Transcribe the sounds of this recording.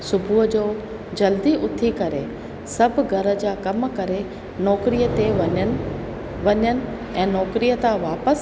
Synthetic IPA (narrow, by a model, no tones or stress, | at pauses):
sʊbʱud͡ʑoː | d͡ʑɐld̪iʔʊt̪ʰikɐɾe | sɐbʱʊɡʱɐɾə̆d͡ʑaːkɐmkɐɾe | nɔːkɾiːət̪e | ʋɐɲənɪ̆ | ɛ̃ːnɔːkɾiːət̪aʋaːpəs